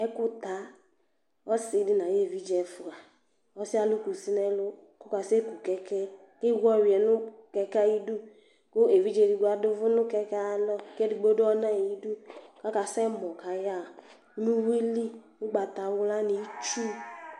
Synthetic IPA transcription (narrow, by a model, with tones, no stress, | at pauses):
ɛ˦kʊ˦ta˨˦ | ɔ˦sɪ˨˦dɪ˦na˨je˦˨vi˦d͡ʒɛ˨fʊ˨a˨ | ɔ˦si˦a˦lu˦ku˨si˦nɛ˦lʊ˦ | kɔ˦ka˨se˦ku˨kɛ˦kɛ˦ | ke˦ɡʷɔ˦˨wi˨ɛ˨nʊ˦kɛ˦ka˦ji˦du˦ | ko˦e˨vi˦d͡ʒe˨di˨ɡa˨dʊ˦vʊ˦nʊ˦kɛ˦ka˦˨lɔ˦˨ke˦di˨ɡ͡bo˦dʊ˦ɔ˦na˦˨i˦du˦ka˦ka˨sɛ˦mɔ˨ka˨ja˦˨˦ | nu˦we˦li˦ | ʊ˦ɡ͡ba˨t̪a˨wʊ˦la˦ni˨˦t͡ʃu˦